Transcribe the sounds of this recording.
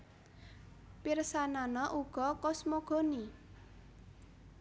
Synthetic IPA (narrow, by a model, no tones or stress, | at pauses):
pirsananɔʔuɡ̥ɔ̤kɔsmoɡ̥o̤ni